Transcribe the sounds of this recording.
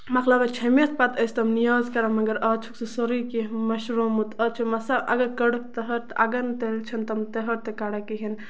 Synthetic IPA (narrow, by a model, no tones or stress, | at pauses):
mɐxlɐbɐt͡ʃʰɐmet̪̚ʰpat̪əsʲt̪ɐmnijaːzkɐɾɐmɐɡɐɾɐːt͡ʃʰuksɨsoɾikimɐʃɾomut̪ɐt͡ʃʰimɐsaʔɐ̰ɡɐɾkɐɽək̚t̪ɐɦɐɾt̪ɐɡɐnt̪elt͡ʃʰɐnt̪ɐmt̪ɐɦɐɾt̪ekaɽɐkiɦin